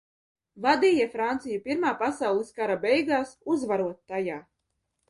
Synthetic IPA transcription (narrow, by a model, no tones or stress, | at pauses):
vad̪iːjɛfɾant̪sijupiɾmaːpasawlˠiskaɾabɛjɡaːsuzvaɾuɔt̪ːajaː